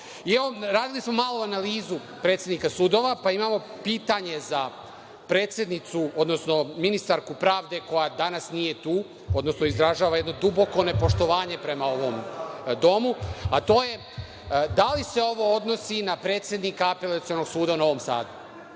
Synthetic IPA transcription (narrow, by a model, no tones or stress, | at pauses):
ieʋo̞ɾaːd̪ilismo̞maːlˠoanaliːzu | pɾet̪sjed̪nikasuːd̪o̞ʋapaimaːmo̞ | piːt̪aɲe̞za | pɾeːt̪sʲje̞d̪nit̪suo̞d̪no̞sno̞minist̪aɾkupɾaːʋd̪e̞ko̞jad̪anasnije̞t̪uː | o̞d̪no̞sno̞izd̪ɾaʒaːʋajed̪no̞d̪ubo̞ko̞ne̞po̞ʃt̪o̞ʋaːɲe̞pɾe̞mao̞ʋo̞md̪o̞muat̪o̞ːje̞ | d̪alise̞o̞ʋo̞od̪no̞sinapɾe̞ːt̪sje̞d̪nikaape̞lat̪sio̞no̞ɡsuːd̪aunao̞ʋo̞msa̰ːd̪u